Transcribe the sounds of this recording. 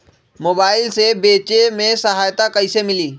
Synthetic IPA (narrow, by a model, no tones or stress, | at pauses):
mobailsebet͡ɕemesəɦajt̪akəjsemɪliː